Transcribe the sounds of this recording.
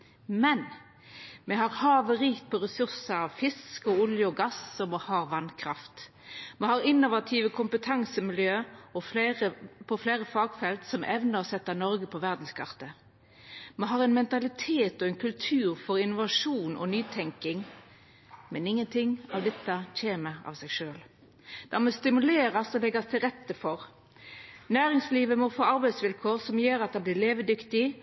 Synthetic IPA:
mɛn | mɛhɑʁhɑːʋəɾiːkt̪̚pʰɔɾɛsʉʁsəɾɑʋfɪskɔʊljəɔɡɑsɔmohɑːʁʋɑnkʰʁɑft̪ | mɛhɑɾɪnːʊʋɑt̪ʰiːʋəkʰʊmpət̪ʰɑŋsəmɪljøːɔfleɾəpʰɔfleːɾəfɑːɡfɛlt̪sɔmʔɛʋnəɾɔsɛt̪ːənɔɾɡəpʰɔʋæʁd̪n̩skʰɑʁt̪ə | mɑɦɑːʁɛnmɛnt̪ɑlɪt̪ʰeːt̪ɔɛnkʰʉlt̪ʰʉːʁfɔɾɪnʊʋɑʂuːnɔ̰nyːt̪ʰɛŋkɪŋ | mɛnɪŋːənt̪ʰɪŋːɑʋd̪ɛt̪ːɑc͡çeːməɑ̰ʋsɛɡʂøːl | d̪̥ɑmɛst̪ɪmʉleːɾɑsɔlɛɡɑst̪ʰɪlʁɛt̪ːəfɔʁ | næːɾɪŋsliːʋəmɔfoːɑɾbæɪsʋɪlkʰoːʁsɔmjøːɾɑt̪̚d̪ɛblɪːleːʋəd̪ʏkt̪ɪ

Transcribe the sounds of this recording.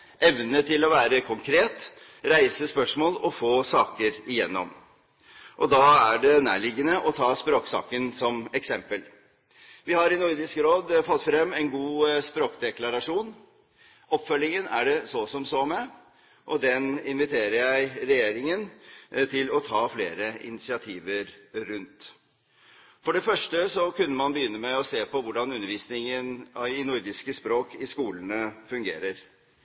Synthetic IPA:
ʔɛʋnət̪ʰɪlɔʋæːɾəkʰʊŋkʰɾeːt̪ | ɾæɪsəspœʂmoːlɔfoːsɑːkəɾɪjɛ̰nːɔ̰m | ʔɔd̪ɑːæɖɛnæ̰ːɭɪɡːənəʔɔt̪ʰɑːspɾoːksɑ̰ːkənsɔmɛksɛmpəl | ʋɪhɑɾɪnʊɾd̪ɪskɾoːd̪fɔt̪ːfɾɛmːɛnɡuːspɾoːkd̪ɛklɑɾɑʂuːn | ʔɔpfœlːɪŋənæɖɛsɔsɔmsɔmɛ | ʔɔd̪ɛnɪnʋɪt̪ʰeːɾəɾjæɪɾɛjeːɾɪŋənt̪ʰɪlɔt̪ʰɑːfleːɾəʔɪ̰nɪsɪɑt̪ʰiːʋəɾɾʉnt̪ | fɔɖɛfœʂʈəsɔkʉnːəmɑnbəjʏnːəmɛɔseːpɔʋʊɖɑnʉnːəɾʋiːsnɪŋənɪnʊɾd̪ɪskəspɾoːkɪskuːlənəfʉŋɡeːɾəɾ

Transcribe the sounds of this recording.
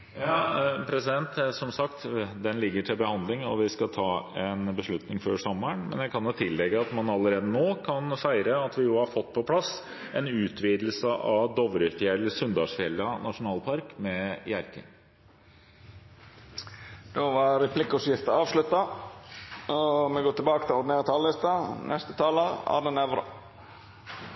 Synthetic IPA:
jɑːpʰɾɛsɪd̪ɛnt̪sɔmsɑkt̪d̪ɛnlɪɡːəʈʰɪlbəhɑnd̪lɪŋɔʋɪskɑt̪ʰɑːɛnbəʂɭʉt̪nɪŋføːʂɔmːəɳmɛ̰njæɪkʰɑnjʊt̪ʰɪlːɛɡəɑt̪mɑnɑlːəɾeːd̪ənoːkʰɑnfæɪɾəɑt̪ʋɪjʊːhɑɾfɔt̪ːpʰɔpʰlɑs | ɛnʉːt̪ʰʋiːd̪l̩səʔɑʋd̪ɔʋɾʏt̪əɛlːəsʉnd̪ɑʂfɪɛlːɑnɑʂʊnɑːlpʰɑɾkmɛjæɾkə̰n | d̪̥oːʋɑɾɛpʰlɪkːʊsjɪft̪əɑːʋslʉt̪ːɑ | ɔmɛɡoːt̪ʰɪbɑːkət̪ʰɪlɔɖ̪ɪneːɾət̪ʰɑːlɪst̪ɑnʔɛst̪ət̪ʰɑːləɑ̰ːnənɛʋɾə̰

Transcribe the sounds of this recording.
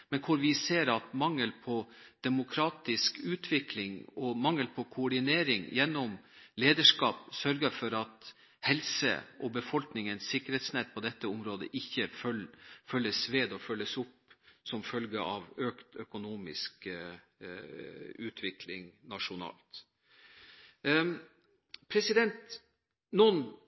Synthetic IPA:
mɛnkʰʊɾʋɪseːɾɑt̪mɑŋːəlpʰɔd̪̥ɛmʊkʰɾɑːt̪ɪskʉːt̪ʰʋɪklɪŋɔmɑŋːəlpʰɔkʰʊʊɖɪneːɾɪŋjɛnːɔmleːd̪əʂkɑːpsœɾɡəfɔɾɑt̪ | hɛlsə̰ʔɔbəfɔlknɪŋənsɪkːəɾheːt̪snɛt̪̚pʰɔd̪ɛt̪ːəʊmɾoːd̪ə̰ʔɪçːəfœlfœlːəsʋeːd̪ɔfœlːəsʊpsɔmfœlɡəʔɑʋøːkt̪œkʊnuːmɪ̰sk | ʉːt̪ʰʋɪkʰlɪŋnɑʂʊnɑ̰ːlt̪ | pʰɾɛsɪd̪ɛnt̪ | nɔn

